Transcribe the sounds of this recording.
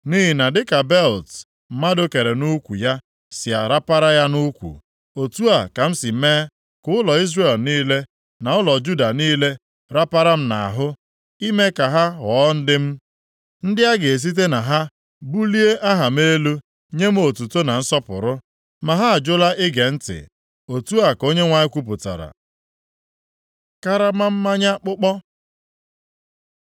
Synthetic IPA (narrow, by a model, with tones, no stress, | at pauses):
ni˦ɦi˨na˨dɪ˦ka˨bɛ˦˨lt | m̩˨ma˦do˦ke˨ɾe˨nu˦kʷṵ˨ja˦ | sɪ˨a˨ɾa˦pa˦ɾa˦ja˦nu˦kʷṵ˨ | o˨tu˦a˨ka˨m̩˦si˨˦meː˦ | kʊ˦ʊ˦lɔ˨i˦zre˨lniː˦le˦ | na˨ʊ˦lɔ˨d͡ʒu˦da˨niː˦le˦ | ɾa˦pa˦ɾa˦m̩˦na̰˨a˨ɦʊ˦ | i˦me˦ka˨ɦa˦ɦɔ˦n̩˦dɪ˦m̩˦ | n̩˦dɪ˦a˦ɡe˨e˨s̬i˦t̬e˦na˨ɦa˦ | bu˦li˦e˦ʔa˦ɦa˨m̩˦e˦lu˦ | ɲe˦m̩˦o˨tu˨to˦na˨n̩˦sɔ˦pʊ̰˨ɾʊ˦ | ma˨ɦa˦a˨d͡ʒʊ˦la˦ʔɪ˦ɡe˨n̩˦tɪ̰˨ | o˨tu˦a˨ko˦ɲe˦ŋʷa˦ɲɪ˦kʷu˦p̬ʊ˨ta̰˨ɾa̰˨ | ka˦ɾa˦ma˦m̩˦ma˦ɲa˦k͡pʊ˦k͡pɔ˦